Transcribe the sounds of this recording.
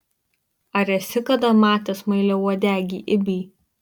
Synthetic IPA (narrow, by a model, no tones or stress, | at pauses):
ɐɾʲɛsʲɪkɐd̪ɐmɑːt̪ʲɛːsmɐɪlʲɛuɔd̪ʲæːɡʲḭːʔɪbʲiː